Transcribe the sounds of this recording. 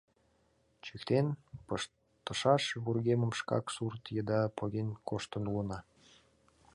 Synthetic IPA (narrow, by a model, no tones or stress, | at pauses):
t͡ɕykt̪enpəʃ | t̪ə̆ʃɑʃβurɣeməmʃkɑ̰ksurt̪jəd̪ɑpʰoɣʲenkoʃt̪ə̆nulənɑ